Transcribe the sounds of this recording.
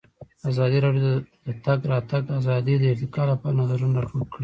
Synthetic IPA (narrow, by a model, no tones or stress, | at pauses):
azɑd̪iɾɑɖjod̪̥ət̪aɡɾɑt̪aɡazɑd̪id̪əɪɾt̪ɪkɑlapɑɾnazaɾunːapoɾkɽi